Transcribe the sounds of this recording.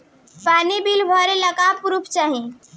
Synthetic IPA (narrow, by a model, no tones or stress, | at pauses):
panibilbʱəɾeləkapɾupt͡ʃaɦĩ